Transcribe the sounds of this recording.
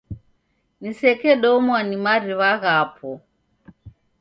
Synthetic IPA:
nisɛkɛɗɔmwanimaɾiβaɣapʰɔ

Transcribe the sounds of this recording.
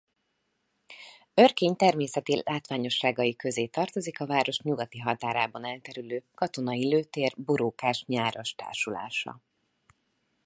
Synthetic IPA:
ørkeːɲt̪ɛrmeːsɛt̪ilʔaːt̪ʋaːɲo̞ʃːaːɡɒjikø̞zeːt̪ɒrt̪o̞zikɒvaːɾo̞ʃɲuɡɒt̪iɦɒt̪aːɾaːbɒnɛlt̪ɛɾyløːkɒt̪o̞nɒiløːt̪eːrboɾoːkaːʃɲaːɾo̞ʃt̪a̰ːrʃula̰ːʃɒ̰

